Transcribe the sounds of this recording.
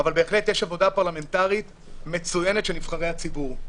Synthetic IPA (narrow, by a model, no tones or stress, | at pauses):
avalbe̞ːχle̞t̪jeʃavo̞dapaʁlame̞ntaʁit̪ | me̞t͡sujenetʃenifχaʁejhat͡sibuʁ